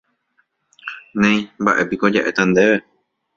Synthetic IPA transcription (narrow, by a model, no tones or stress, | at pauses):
nẽj̃mbaʔe̞piko̞d͡ʒaʔe̞t̪ãnd̪e̞ʋe